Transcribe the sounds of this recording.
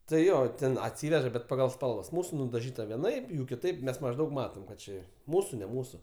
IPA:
tɐɪ ˈjoː ˈtʲɛn ɐtʲˈsʲiːʋʲɛʒɐ bʲɛt pɐˈɡɐlˠ ˈspɐlˠʋɐs ˈmuːsʊ nʊdɐˈʒʲiːtɐ ʋʲiɛˈnɐɪp ˈjuː kʲɪˈtɐɪp ˈmʲɛs mɐʒˈdɐʊk ˈmɑːtoːm kɐt ˈt͡ʃʲɪ ˈmuːsʊ nʲɛ ˈmuːsʊ

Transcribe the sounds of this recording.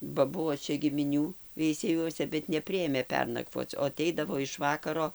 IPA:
bɐ ˈbuɔ ˈt͡ʃʲɛ ɡʲɪmʲɪˈnʲuː ʋʲɛɪsʲɛˈjuɔsʲɛ bʲɛt nʲɛˈpʲrʲɪeːmʲeː ˈpʲɛrnɐkʋoːt͡s oː ɐˈtʲɛɪdɐʋoː ɪʃ ˈʋɑːkɐroː

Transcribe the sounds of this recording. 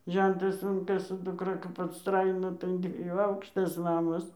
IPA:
ˈʒʲɛntɐs ˈʊn kɐɪ sʊ dʊˈkrɐ kɐp ɐtˈstrɐɪnoː tɐɪ ɐn dʲʋʲiɛˈjuː ˈɐʊkʃtɐs ˈnɑːmɐs

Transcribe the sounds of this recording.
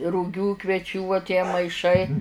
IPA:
rʊˈɡʲuː kʋʲɛˈt͡ʃʲuː uɔ tʲiɛ mɐɪˈʃɐɪ

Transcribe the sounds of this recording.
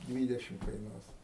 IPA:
ˈdʲʋʲiːdʲɛʃʲɪm kɐɪˈnuɔs

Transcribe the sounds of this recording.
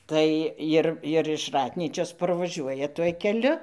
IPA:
ˈtɐɪ ɪr ɪr ɪʃ ˈrɑːtʲnʲiːt͡ʃʲoːs pɐrʋɐˈʒʲuɔjɛ tuɔj kʲɛˈlʲʊ

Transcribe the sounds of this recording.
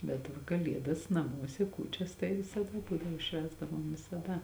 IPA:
bʲɛt ˈʋɐ kɐˈlʲiɛdɐs nɐˈmuɔsʲɛ ˈkuːt͡ʃʲɛs tɐɪ ʋʲɪsɐˈdɐ ˈbuːdɐʋoː ˈʃʲʋʲæːzdɐʋoːm ʋʲɪsɐˈdɐ

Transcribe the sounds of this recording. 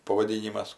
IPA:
pɐʋɐˈdʲiːnʲɪmɐs

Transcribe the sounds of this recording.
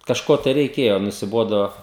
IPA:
kɐʃˈkoː tɐɪ rʲɛɪˈkʲeːjoː nʊsʲɪˈboːdoː

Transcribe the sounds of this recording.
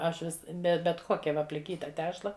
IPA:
ˈɐʃ ˈʋʲɪs ˈbʲɛ bʲɛt ˈkoːkʲɛ ˈʋɐ pʲlʲɪˈkʲiːtɐ ˈtʲæːʃlˠɐ

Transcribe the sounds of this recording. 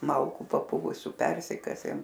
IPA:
ˈmɐlˠkʊ pɐˈpʊʋʊsʲʊ ˈpʲɛrʲsʲɪkɐsʲeːm

